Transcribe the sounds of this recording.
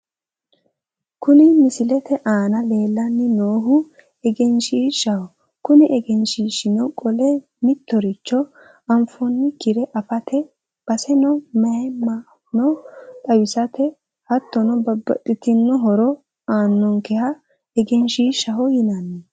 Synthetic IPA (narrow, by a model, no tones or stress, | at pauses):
kʊnɪmɪsɪlɛt̪ɛʔaːnɐleːlːɐnːɪnoːɦʊ | ɛɡɛnʃiːʃɐhɔ | kʊnɪʔɛɡɛnʃiːʃɪnɔkʼɔlɛ | mɪt̪ːɔɾɪt͡ʃːɔ | ɐmfɔnːɪkɪɾɛʔɐfɐt̪ʰɛ | b̥ɐsɛnɔmɐɛma | nɔt̪ʼɐwɪsɐt̪ɛ | hɐt̪ːɔnɔbɐbɐ̰t̪ʼːɪt̪ɪnːɔɦɔɾɔ | aːnːɔŋkɛhɐ | ɛɡɛnʃiːʃɐɦɔjɪnɐnːɛ